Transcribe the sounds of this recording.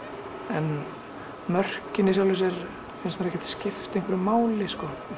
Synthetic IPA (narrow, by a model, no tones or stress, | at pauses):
ɛn | mœr̥cɪnːisjalɪs̬ɛɾ | fɪnsmaɾɛhcːɛ̥t̪scɪft̪ejŋkvɛɾʏmaːwlɪskɔ